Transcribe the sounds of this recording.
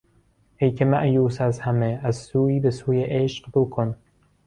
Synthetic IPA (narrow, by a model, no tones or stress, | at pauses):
hejkʰemæʔjuːsæzhæmeæzsuːiːbesuːjeʔeʃqbokʰon